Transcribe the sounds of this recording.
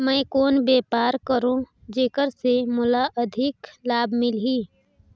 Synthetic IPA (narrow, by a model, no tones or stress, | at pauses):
mə̃ɪkoːnbeːpaːɾkəɾõ | d͡ʒeːkəɾsemʊlaʔəd̪ʱɪklaːbmɪlɦiː